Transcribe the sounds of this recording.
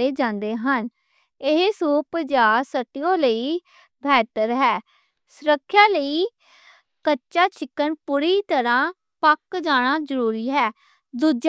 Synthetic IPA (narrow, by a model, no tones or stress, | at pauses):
eːd͡ʒãːnd̪eːɦən | ɪɦsuːpd͡ʒaːsəʈijõːləiː | bʱɛːʈəɾɦɛː | sʊɾəkʰːjãːləiː | kətːʃaːt͡ʃʰɪkːənpʊɾiːt̪əɾãː | pəkd͡ʒaːɽ̃aːzəɾuːɾiːɦɛː | d̪uːd͡ʒ